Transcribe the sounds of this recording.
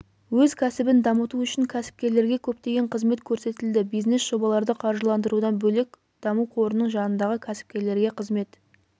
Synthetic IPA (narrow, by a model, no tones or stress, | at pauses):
wɵzkʲʰæsɪbɪnd̪ɑmət̪uʏʃɪŋkʲʰæsɪ̥p̚kʲe̞ɾle̞ɾɡʲe̞kʲʰɵp̚t̪e̞ɡʲe̞ɴqʰəzme̞t̪kʲʰɵɾse̞t̪ɪld̪ɪbijznesʒ̥o̞bɑlˠɑɾd̪əqʰɑɾʒəlˠɑnd̪əɾud̪ɑnbɵle̞k̚ʲ | d̪̥ɑmuwqʰo̞ɾənəɴʒɑnənd̪ɑʁəkʲʰæsɪ̥p̚kʲe̞ɾle̞ɾɡʲe̞qʰəzme̞t̪